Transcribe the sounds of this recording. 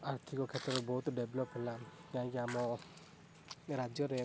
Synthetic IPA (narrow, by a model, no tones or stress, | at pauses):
aɾt̪ʰikɔkʰet̪ɾɔɾɔbɔɦut̪ɖeblɔpɦɔlakãĩkiamɔ | ɾad͡ʒjɔɾe